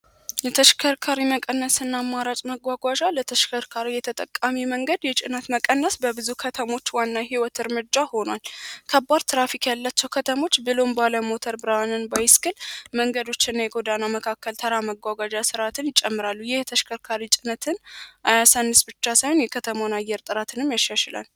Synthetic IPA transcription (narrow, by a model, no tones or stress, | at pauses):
jɛt̪ʰəʃkʰəɾkʰaɾiməkʼənːəsɨnːamːaɾat͡ʃʼməɡʷaɡʷaʒalət̪ʰəʃkʰəɾkʰaɾijɛt̪ʰət̪ʼə̰kʼːamiməŋɡəd̪jɛt͡ʃʼɪnət̪məkʼənːəsbəbɨzukʰət̪ʰəmo̞t͡ʃːwanːaɦiwɔt̪ɨɾmɨd͡ʒːaho̞nwalkʰəbːaɾt̪ʰɨɾafikʰjalːat͡ʃːɛwkʰət̪ʰəmo̞t͡ʃːbɨlo̞mbaləmo̞t̪ʰəɾbɨɾawnɨnbajɪskʰʼɨlməŋɡəd̪o̞t͡ʃːɪnːajɛɡod̪anaməkʰakːəlt̪ʰəɾaməɡʷaɡʷaʒasɨɾat̪ʰɨnjɪt͡ʃʼɛmːɨɾalːujɛht̪ʰəʃkʰəɾkʰaɾit͡ʃʼɪnət̪ʰɨnʔajasanːɨsbɨt͡ʃːasajhonjɛkʰət̪ʰəmonajɛɾt̪ʼɨɾat̪ʰɨnɨmjaʃːaʃɪla̰n